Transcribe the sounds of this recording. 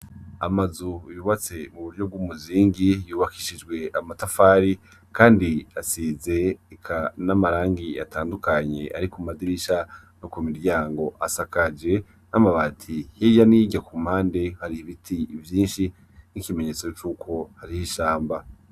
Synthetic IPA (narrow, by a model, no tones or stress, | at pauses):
amazujuβat͡se̞muβuɾɟo̞b̚ɡwuːmuziːŋɡijuːβakiʃid͡ʒɡwe̞amatafaːɾi | kaːndiasize̞ːkʰanamaɾaːŋɡija̰tʰaːndukaɲe̞̰ʔaɾikumadiɾiʃa | nokumiɾɟaːŋɡo̞ʔasakad͡ʒe̞ | namaβaːtʰihijaniɟakumhaːnde̞haɾiiβitʰivjiːnʃi | nikime̞ɲe̞ːt͡so̞t͡ʃuːkʰo̞haɾihiʃaːmba